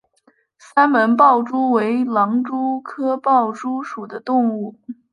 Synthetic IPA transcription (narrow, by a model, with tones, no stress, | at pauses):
sa˥nmə˧˥np̬ɑ˥˩ʊʈ͡ʂu˥we˧˥ɪlɑ˧˥ŋʈ͡ʂu˥kʰɤ˥pɑ˥˩ʊʈ͡ʂu˥ʂu˨˩d̪ə˦t̪ʊ˥˧ŋu˥˩